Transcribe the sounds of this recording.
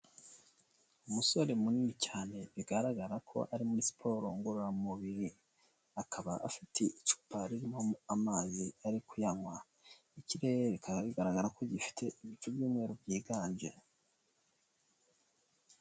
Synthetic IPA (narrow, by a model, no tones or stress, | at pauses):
umuso̞ɾe̞muniicaːne̞βiɡaɾaɡaɾakʰo̞̰ʔaɾimuɾisi̥pʰo̞ɾo̞ŋɡoɾoɾamumuβiɾi | akʰaβa̰ʔafi̥tʰe̞it͡ʃu̥paɾiɾimoamaːziaɾikujaŋwa | iciɾe̞eɾekʰaɡβiɡaɾaɡaɾako̞ɟifi̥tʰe̞ʔiβit͡ʃubɟuːmŋe̞ːɾobɟiːɡaːnʒe̞